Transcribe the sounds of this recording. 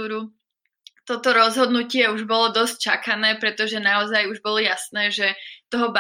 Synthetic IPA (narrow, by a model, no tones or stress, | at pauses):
uːɾu | t̪ɔt̪ɔɾɔzɦɔd̪nucɪɛuʒbɔlɔd̪ɔsc̚t͡ʃakanɛːpɾɛt̪ɔʒɛnaɔzajuʒbɔlɔjasnɛːʒɛt̪ɔɦɔb